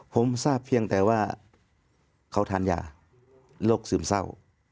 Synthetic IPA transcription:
pʰo˧˦msaː˥˩pʰːi˧əŋt̪ɛː˧waː˧˩ | kʰa˧˦wt̪ʰaː˧˥˨nja̰ː˧˩ | lo˧˩k̚sɯː˨˩msa˧˥˨w

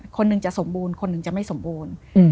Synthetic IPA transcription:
kʰo˧nːɯ˨˧ŋt͡ɕa˨˩ʔso˩˦mbuː˧nkʰo˧nːɯ˨˩ŋt͡ɕa˨˩ma˥˩jso˩˦mbuː˧n˧

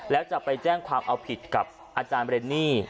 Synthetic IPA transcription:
lɛː˦˥wt͡ɕa˨˩pːa˧jt͡ɕɛː˥˩ŋkʰwaː˧mʔa˧wpʰi˨˩t̪̚ka˨˩p̚ | ʔaː˧t͡ɕaː˧nbde˧nːiː˥˩

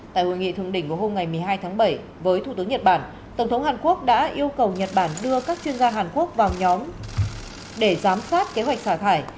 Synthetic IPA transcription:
t̪a̰ː˧˨jho̰˧˨˩jŋḭ˧˨t̪ʰɨ˧˩əŋɗï˧˩ŋ̟ku˧˩əɦo˧mŋa˨˩jmɨ˨˩əjɦaː˧jt̪ʰaː˨˦ŋɓə˧˩j | vəː˨˦jt̪ʰu˧˩t̪ɨ˨˦ə˦ŋɲə˨˩t̚ɓaː˧˩n | t̪ə˧˩wŋ͡mt̪ʰə˨˦wŋ͡mhaː˨˩nku˦˥ək̚ɗa̰ː˧˥ʔi˧əwkə˨˩wɲə˨˩t̚ɓaː˧˩nɗɨ˧əkaː˦˥k̚t͡ɕwi˧ənzaː˧ɦaː˨˩nku˦˥ək̚vaː˨˩wɲɔ˨˦m | ɗe˧˩zaː˨˦msaː˦˥t̚ke˨˦ɦwa˨˩jk̟̚saː˧˩t̪ʰaː˧˩j

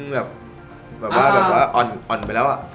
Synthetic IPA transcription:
ŋbɛː˨˩p̚ | bɛː˨˩p̚waː˥˩bɛː˨˩p̚waː˥˩ʔɔ˨˩nʔɔː˨˩npa˧˩lɛː˦˥wʔa̰˨˩ʔ

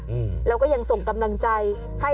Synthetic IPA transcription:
lɛː˦˥wkɔː˥˩ja˧ŋso˨˩ŋka˧mla˧ŋt͡ɕa˧j | ha˥˩

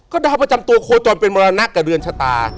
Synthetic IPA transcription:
kɔː˥˩daː˧˩wpa˧t͡ɕa˧mt̪u˧ɐkʰoː˧t͡ɕɔː˨npe˧nmɔː˧ɾaː˧na˦˥kːaː˨˩dɯ˧ənt͡ɕʰaː˧t̪a̰ː˧

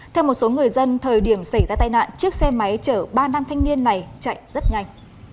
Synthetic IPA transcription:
t̪ʰɛ˧wmo˨˩t̚so˨˦ŋɨ˨˩əjzə˧nt̪ʰəː˨˩jɗi˧˩əmsa˧˩jzaː˧t̪aː˧jna̰ː˧˨nt͡ɕɨ˦˥ək̚sɛ˧ma˨˦jt͡ɕəː˧˩ɓaː˧naː˧ŋt̪ʰa˧jŋ̟ni˧ənːa˨˩jt͡ɕa̰˧˨jzə˦˥t̚ɲa˧jŋ̟

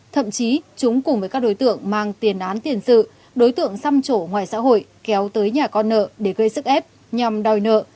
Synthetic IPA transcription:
t̪ʰə̰˧˨mt͡ɕi˨˦t͡ɕʊ˨˦ŋ͡mkʊ˨˩ŋ͡mvəː˨˦jkaː˦˥k̚ɗo˨˦jt̪ɨ̰˧˨əŋmaː˨˩ŋt̪i˨˩ənʔaː˨˦nt̪i˨˩ənsɨ̰˧˨ | ɗo˨˦jt̪ɨ̰˧˨əŋsa˧mt͡ɕo˧˩ŋwaː˨˩jsa̰ː˧˥ɦo̰˧˨jkɛ˨˦wt̪əː˨˦jɲaː˨˩kɔ˧nːə̰ː˧˨ɗe˧˩ɣə˧jsɨ˦˥k̚ʔɛ˦˥p̚ | ɲa˨˩mɗɔ˨˩jnə̰ː˧˨

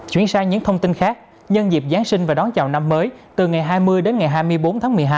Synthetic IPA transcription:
t͡ɕwi˧˩ənsaː˧jɲɨ̰˧˥ŋt̪ʰə˧wŋ͡mt̪i˧nxaː˦˥k̚ | ɲə˧nzi˨˩p̚zaː˨˦ŋsï˧ŋ̟vaː˨˩ɗɔ˨˦nt͡ɕa̰ː˨˩wna˧mːəː˨˦jt̪ɨ˨˩ŋa˨˩jɦaː˧jmɨ˧əjɗe˨˦nŋa˨˩jɦaː˧jmɨ˧əjɓo˨˦nt̪ʰaː˨˦ŋmɨ˨˩əjɦaː˧j

